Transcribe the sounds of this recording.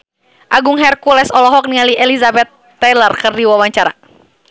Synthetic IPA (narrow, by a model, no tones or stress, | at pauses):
ʔaɡuŋɦɛrkulɛsɔlɔɦɔk̚niŋaliʔɛlizabɛt̪ːɛlərkɨrdiwawaɲt͡ʃaɾa̰